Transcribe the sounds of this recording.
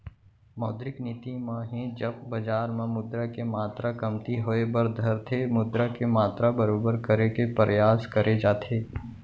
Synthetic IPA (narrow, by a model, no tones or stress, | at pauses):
mɔːd̪ɾɪknɪt̪imãɦẽd͡ʒɐb̚ːɐd͡ʒaːɾmãmʊd̪ɾakemaːt̪ɾakɐmt̪iɦoebəɾd̪ʱɐɾt̪ʰemʊd̪ɾakemaːt̪ɾabɐɾoːbəɾkəɾekepəɾəjaːskəɾed͡ʒaːt̪ʰeː